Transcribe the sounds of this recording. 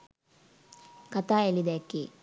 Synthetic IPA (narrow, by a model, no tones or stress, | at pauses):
kɐt̪aːelid̪ekːi